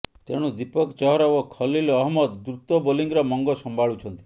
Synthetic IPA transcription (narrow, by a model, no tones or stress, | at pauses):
t̪ḛɽ̃ud̪ipɔkt͡ʃɔɦɔɾawɔkʰɔlilɔɦmɔd̪ːɾut̪ɔboliŋɡɾɔmɔŋɡɔsɔmbʱaɭut͡ʃʰɔnt̪i̥